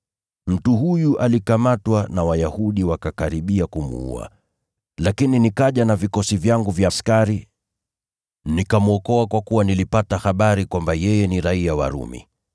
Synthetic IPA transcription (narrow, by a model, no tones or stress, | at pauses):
m̩tuɦujuʔalikamatwanawajahuɗiwakakaɾiɓiakumṵṵa̰ | lakininikaʄanavikɔsivjaŋɡuvjaskaɾi | nikamuɔkɔakwakuwanilipataxaɓaɾikwambajɛjɛniɾaiawa̰ɾṵmḭ